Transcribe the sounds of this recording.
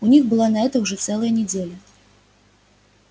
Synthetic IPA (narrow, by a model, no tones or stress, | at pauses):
unʲixbɨlˠanɐɛt̪əuʐɛt̪sɛlˠəjənʲɪd͡zʲelʲɐ